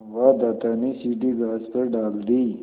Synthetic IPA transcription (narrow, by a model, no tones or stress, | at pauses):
wad̪aːt̪anisiʈ̬iɡaːsp̪əɾɖaːld̪i